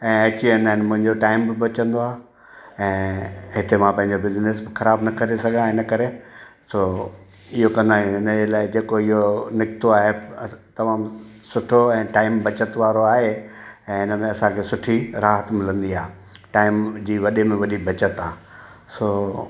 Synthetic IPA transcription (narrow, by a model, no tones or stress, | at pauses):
ɛ̃ːɐt͡ɕiɪnanmʊ̃ɦɪ̃ɲd͡ʑoʈaːɪmbɪbɐt͡ɕə̃nd̪oaːɦ | ɛ̃ːɦɪt̪emãpɐ̃ɦɪ̃ɲd͡ʑobɪznesbɪxɐɾaːbnɐkɐɾesɐɡʱãɪnəkɐɾesoː | ɪɦokɐ̃nd̪aːjũɦɪnəd͡ʑelaːɪd͡ʑeːkoɪɦonɪkɪt̪oaːɦet̪ɐmaːm | sʊʈʰoɛ̃ːʈaːɪmbɐt͡ɕət̪ʋaːɾoaːɦeɛ̃ːɪnəmẽɐsãkʰeːsʊʈʰiɾaːɦət̪mɪlə̃nd̪iaːɦe | ʈaːɪmd͡ʑiːʋɐɗemẽʋɐɗibʱɐt͡ɕət̪aː | soː